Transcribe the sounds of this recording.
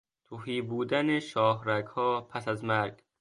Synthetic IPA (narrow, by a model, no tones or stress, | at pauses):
t̪ʰuhiːbuːd̪æneʃɒːɦɾæɡhɒːpʰæsæzmæɾɡ